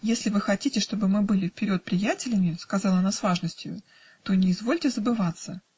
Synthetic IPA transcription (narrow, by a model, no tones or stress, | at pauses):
jesʲlʲɪvɨxɐtʲitʲɪʂt̪o̞bɨmɨbɨlʲɪfpʲɪɾʲo̞t̪̚pɾʲɪjætʲɪlʲɪmʲɪskɐzɑlˠəɐnasvaʐnəsʲtʲjʊ̰ | t̪o̞nʲɪɪzvo̞lʲtʲɪzəbɨvat̪sə